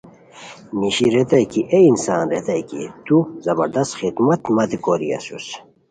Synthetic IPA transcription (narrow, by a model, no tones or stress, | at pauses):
niɕiɾet̪ɐjkiʔeinsaːnɾet̪ɐjkḭt̪uzɐbɐɾd̪ɐst̪xit̪mɐt̪mɐt̪ikoɾḭɐ̰sus